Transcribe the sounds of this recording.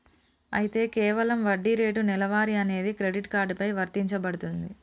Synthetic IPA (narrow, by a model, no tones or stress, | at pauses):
ɐ̰jit̪e̞ːkɛːʋɐlɐmʋɐɖːiɾe̞ːʈunilɐʋaːɾiɐne̞ːd̪ikɾe̞ɖiʈkaːɾɖpɐjʋɐɾt̪iɲt͡ʃɐbɐɽut̪und̪i